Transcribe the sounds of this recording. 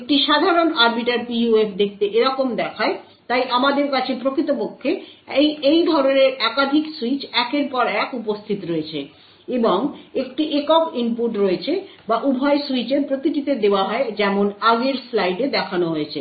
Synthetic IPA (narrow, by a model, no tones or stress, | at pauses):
ek̚ʈiʃad̪ʱaɾonaɾbiʈaɾpiuefd̪ek̚ʰt̪eʔeɾɔkomd̪ɛkʰae | t̪ajʔamad̪eɾkat͡ɕʰepɾokʰit̪opokʰːe | ejd̪ʱɔɾoneɾɛkad̪ʱiksuit͡ɕɛkeɾpɔɾɛkupost̪ʰit̪ɾoet͡ɕʰḛ | eboŋekʈiʔekɔkimpuʈɾoet͡ɕʰebaʔubʱɔesuit͡ɕeɾpɾok̪ɾiʈit̪ed̪eoaɦɔed͡ʑɛmonaɡeɾslajɖed̪ɛkʰanoɦoet͡ɕʰḛ